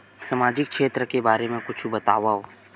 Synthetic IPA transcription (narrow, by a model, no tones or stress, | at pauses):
sɐmaːd͡ʒɪkkʃʰeːt̪ɾəkebaːɾemẽkʊt͡ʃʰubɐt̪aːwaɦo